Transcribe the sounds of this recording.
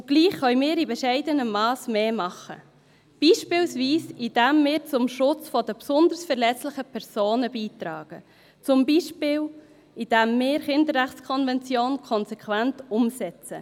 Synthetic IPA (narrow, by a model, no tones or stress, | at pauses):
ʊɡ̥liːχːœʏmɪːɾibɛʃɛɪdənəːɑːsmeːmɑχə̰ | b̥iːʃpɪːlsviːsid̥ɛmːɪːɾt͡sʊmʃʊt͡sfɔdəpsʊnd̪əɾsfɛɾlɛt͡slɪχəpʰɛɾsoːnəbiːt̪ɾɑ̰ːɡ̥ə | t͡sʊmbiːʃpɪːl | id̥ɛmːɪːɾχɪndərːæχt͡skʰɔnvɛnt͡sjoːnkʰɔnsɛkʰvæntʊmsɛt͡sə